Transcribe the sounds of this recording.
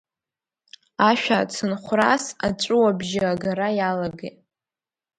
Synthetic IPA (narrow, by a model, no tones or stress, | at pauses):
aʃᶣaːt͡sʰɨnχʷrasa̰t͡ʃʷʼʊwabʒɪaɡaɾajalaɡetʼ